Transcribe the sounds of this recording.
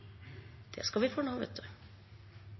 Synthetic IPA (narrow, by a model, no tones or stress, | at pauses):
d̪̥ɛ̰skɑʋɪfoːnɑːʋḛt̪d̪ʉ